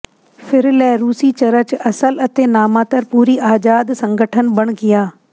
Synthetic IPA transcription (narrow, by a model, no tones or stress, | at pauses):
fʰɪɾlɛːɾuːsiːt͡ʃɐɾət͡ʃɐsələt̪eːnaːmãːt̪əɾpuːɾiːʔaːd͡ʒaːd̪sə̃ŋɡəʈʰənbəɽ̃ɡɪjaː